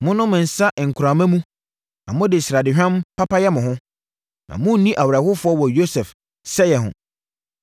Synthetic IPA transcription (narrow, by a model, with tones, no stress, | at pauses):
mʊ̃˦nʊ̃˦mʊ̃˨n̩˨sa˦ʔŋ̩˨kʰʊ˨ɾa˨mã˦mũ˦ | nã̰˨mʊ̃˦dɪ˨sɾa˨dɪ˨ɕᶣã˦mpʰa˦pa˦jɛ˦mʊ̃˨ɦʊ̃˦ | nã̰˨mʊ̃˦n̩˦nĩ˦ʔa˨wɾa˨hʊ˦fʊ˦ɔ˦wɔ˨jo˦sɛ˨f | sɛ˦jɛ˨ɦʊ̰̃˨